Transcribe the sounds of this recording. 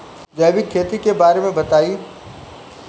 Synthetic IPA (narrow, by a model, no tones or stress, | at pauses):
d͡ʒɐːʋɪkʰːeːt̪ikebaːɾemẽbɐt̪aːi